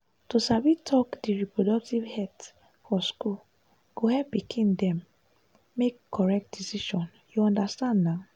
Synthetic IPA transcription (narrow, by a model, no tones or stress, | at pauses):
tosavitʰɔkdiɹipɹodɔk̚tivhɛt | fɔskul | ɡ̥ohɛpːikʰĩndɛ̃mː | ekʰːɔɹɛk̚t̚disiʃɔ̃n | juɔ̃ndastãndnaʊ